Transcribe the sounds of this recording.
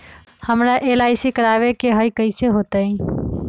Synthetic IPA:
həmɾaʔelaɪsikəɾaβekeɦəjkəɪseɦot̪əĩ

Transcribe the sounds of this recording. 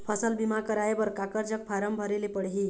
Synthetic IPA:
pʰʌsʌlbimakʌɾaebʌɾkakʌɾd͡zʌk̚pʰaɾʌmbʱʌɾilepʌɽɦi

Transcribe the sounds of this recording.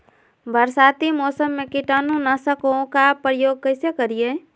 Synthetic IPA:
bʱəɾsaːt̪imɔːsəmːẽkɪʈaːnũnasəkokapɾəjoːɡ̚kəɪsekəɾie

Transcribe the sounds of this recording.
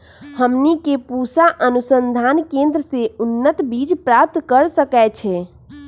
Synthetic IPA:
həmnikepusaʔənusənd̪ʱankẽnd̪ɾəseunːət̪bid͡ʒpɾap̚t̪kəɾsəkɛt͡ʃʰɛ

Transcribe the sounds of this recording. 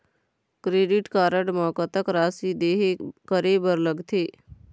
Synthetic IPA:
kɾeːɖɪʈkaːɾəɽmɔːkət̪əkɾaːsid̪eːɦekəɾebəɾləɡt̪ʰeː

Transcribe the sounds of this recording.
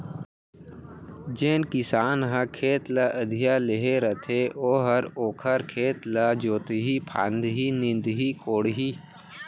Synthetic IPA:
d͡ʒeːnkɪsaːnɦə̃kʰeːt̪laʔəd̪ʱijaleɦeɾət̪ʰeʔoːɦəɾoːkʰəɾkʰeːt̪lad͡ʒoːt̪iɦipʰã̰ːnd̪ɦiːnɪ̃nd̪ɦikʰoːɽɦiː

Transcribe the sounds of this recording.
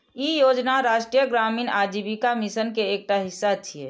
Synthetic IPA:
ijoːd͡ʒnaɾaːʃʈɾijəɡɾaːmiːnad͡ʒibikamisənkeːk̚ʈaɦɪsːat̪ʰiḛː

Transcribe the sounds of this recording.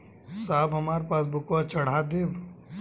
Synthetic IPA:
saːbɦɐmaːɾepaːs̬bʊkwat͡ʃɐɽ̤aːd̪eːb

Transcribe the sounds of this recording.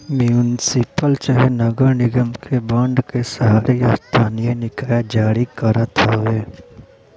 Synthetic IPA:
mjunɪsɪpəlt͡ʃaɦɛnəɡəɾnɪɡəmkʰebə̃ɳɖkesaːɾeast̪ʰaːnijenɪkaːjad͡ʒaːɾikəɾat̪ʰaeː

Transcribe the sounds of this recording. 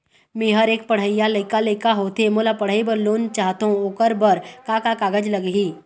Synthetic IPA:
mẽːɦəɾeːk̚pəɽ̤əijaləɪkaləɪkaɦoːt̪emolapəɽ̤əibəɾloːnt͡ʃaːɦt̪aõoːkəɾbəɾkakakaːɡəd͡ʒləɡɦiː

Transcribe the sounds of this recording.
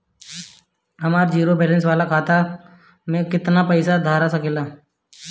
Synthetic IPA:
ɦɐmaːɾd͡ʒiːɾobɛːlə̃ns̬ʋaːlakʰaːt̪a | mẽkɪt̪napəɪsad̪ʱaːɾasakeːlaː

